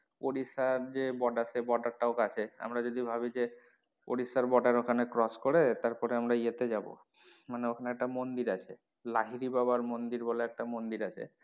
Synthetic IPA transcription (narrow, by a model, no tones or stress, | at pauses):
oɽisaɾd͡ʑebɔɖasebɔʈaɾʈaokat͡ɕʰea̰mɾad͡ʑod̪ibʱabid͡ʑe | o̰ɽisaɾbɔʈaɾokʰanekɾɔskoɾet̪aɾpɔɾeamɾaiet̪ed͡ʑabo̰ | maneokʰaneɛk̚ʈamond̪iɾat͡ɕʰe | laɦiɾibabaɾmond̪iɾbɔleɛk̚ʈamond̪iɾat͡ɕʰḛ